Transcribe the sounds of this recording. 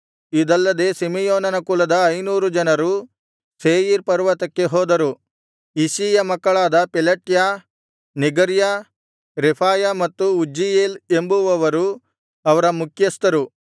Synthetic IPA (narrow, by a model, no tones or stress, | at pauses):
id̪ɐlːɐd̪e̞ːsimijoːnɐnɐkuːlɐd̪ɐɐjnuːɾud͡ʒɐnɐɾu | seːjiɾpɐɾʋɐt̪ɐkːe̞ɦoːd̪ɐɾu | isiːjɐmɐkːɐɭaːd̪ɐpɛlɐʈja | niɡɐɾja | ɾepʰaːjamɐt̪ːuud͡ʒijeːlembuʋɐʋɐɾu | ɐʋɐɾɐmukʰjɐst̪ɐɾu